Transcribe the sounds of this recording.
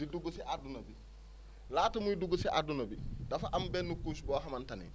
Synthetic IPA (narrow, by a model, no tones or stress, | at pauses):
diduɡusiʔadunobi | laːtɐmujiduɡusiʔa̰dunobidɐfaʔɐmbɛnːukuːsubɔːɦɐmantanḭn